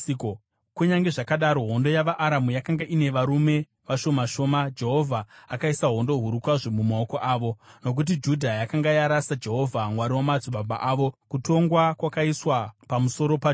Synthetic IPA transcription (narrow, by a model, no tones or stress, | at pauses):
k | kuɲaŋɡe̞ʐakaɗaɾo̞ɦo̞ndo̞jaʋaʔaɾamujakaŋɡaʔine̞ʋaɾume̞ | ʋaʃo̞maʃo̞ːmad͡ʒe̞ɦo̞vʱaːkaisaɦo̞ndo̞ɦuɾukwaʐomumao̞ko̞ʔaːʋo̞no̞k̬ut̬id͡ʒudʱajakaŋɡajaɾasad͡ʒe̞ɦo̞vʱamwaɾiwamad͡zuɓaɓa̰ʔaːʋo̞kuto̞ŋɡwakwakaiswapamuso̞ɾo̞pa